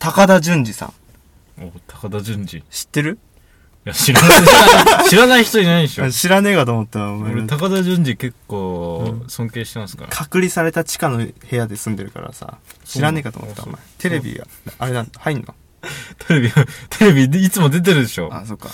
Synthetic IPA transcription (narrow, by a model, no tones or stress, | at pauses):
t̪akad̪ad͡ʑɨ̃ɲd͡ʑisã̰ŋ | oːt̪ʰḁkad̪ad͡ʑɨ̃ɲd͡ʑḭɕi̥t̪ːe̞ɾɯ̟ | jaɕiɾ | ɕiɾanaiçi̥t̪oɲinaiɕoɕiɾane̞ːkat̪omot̪ːamaoɾet̪akad̪aʑɨ̃ɲd͡ʑike̞kːoːsõ̞ŋke̞ːɕi̥t̪emasɨ̥ka̰ɾkʰakɯ̟ɾʲisaɾe̞t̪at͡ɕi̥kano̞he̞jad̪e̞sɨ̃nd̪e̞ɾɯ̟ka̰ɾa̰sa̰ɕiɾane̞ːkat̪o̰moot̪ːa̰mːa̰t̪ʰe̞ɾe̞bʲḭɡa̰ | ʔaɾe̞nãnhainːo̰ | t̪ʰeɾe̞bʲiat̪ʰeɾe̞bʲiit͡sɨmo̞d̪e̞t̪̬eɾɯ̟d̪e̞ɕo̞̰ːa̰so̞kːa̰